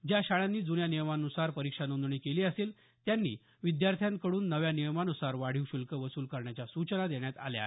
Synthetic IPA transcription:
d͡ʑjaɕaɭanːiːd͡zunjanijəmanusaɾpəɾikʂanund̪ɳiːkeliːəsel | t̪janːḭː | ʋid̪jaɾt̪ʰjãŋkəɽuːnːəʋjanijəmanusaɾʋaɽ̤iʋɕulkəʋəsuːlkəɾɳjat͡ɕasut͡ɕənad̪eɳjat̪a̰lja̰

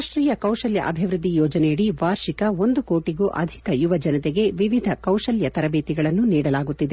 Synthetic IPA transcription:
aʂʈɾiːjɐkɐwʃɐljɐ̰ʔɐbʱiʋɾɨd̪ːijɔːd͡ʒɐnɛjɐɽiʋaːɾʃikɐo̞nd̪ukoːʈiɡuːʔɐ̰d̪ʱikɐjuʋɐd͡ʒɐnɐt̪eɡe̞ʋiʋid̪ʱɐkɐwʂɐljɐt̪ɐɾɐbeːt̪iɡɐɭɐnːuniːɽɐlaːɡut̪ːid̪e

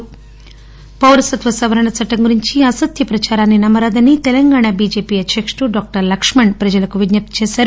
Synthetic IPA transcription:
pɐwɾɐsɐt̪ʋɐsɐʋɐɾɐɳɐt͡sʰɐʈːɐŋɡuɾiɲt͡ʃiasɐt̪jɐpɾɐt͡ʃaːɾaːnːinɐmɐɾaːd̪ɐnːit̪ɛlɐŋɡaːɳabiːd͡ʒeːpiːɐt͡ʃekʂʈuɖaːk̚ʈɐɾlɐkʂmɐɳɖpɾɐd͡ʒɐlɐkuʋid̪nɐp̚t̪t͡ʃeːsaːɾu

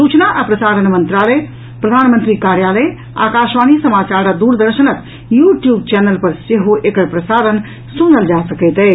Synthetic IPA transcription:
sut͡ʃnaʔapɾəsaɾənmənt̪ɾaləj | pɾəd̪ʱanmənt̪ɾikaɾjaləj | a̰kaʃʋanisəmat͡ʃaɾad̪uɾd̪əɾʃənək̪ | juʈjubt͡ʃɛnəlpəɾseɦoʔekəɾpɾəsaɾən | sunəld͡ʒasəkɛt̪ɛ

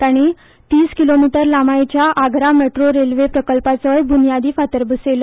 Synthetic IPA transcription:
t̪aɽ̃i | t̪iːskilomiʈəɾlamajt͡ɕjaʔaɡʱɾameʈɾoɾelʋepɾəkəlpat͡səjbʱunjad̪iːfat̪əɾbəselə

